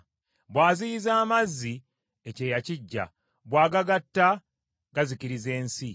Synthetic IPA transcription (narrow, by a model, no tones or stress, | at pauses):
βwaːziizaːmazːi | ece̞ːjaciɟːa̰ | βwaːɡaɡatːa | ɡaziciɾize̞ːnsi